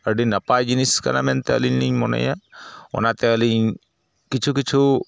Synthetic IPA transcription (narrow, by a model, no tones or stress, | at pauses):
əɖinɐpajd͡ʒiniska̰na̰mɛnt̪eɐ̰liɲniɲmɔnə̰jao̰nat̪eəliɲ | kit͡ʃʰukit͡ʃʰu